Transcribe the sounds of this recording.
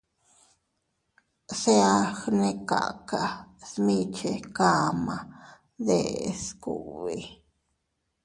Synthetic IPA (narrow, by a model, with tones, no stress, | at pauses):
se˦a˦xne˦ka̰˨ka˨smi˦˧t͡ʃe˨ka˦˧ma˨ | d̪e˨sku˨βi˨